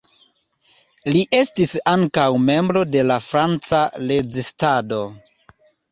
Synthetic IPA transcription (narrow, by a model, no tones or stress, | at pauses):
liʔe̞stisaŋkawme̞mbɾo̞de̞lafɾant͡sale̞d͡ʒistado̞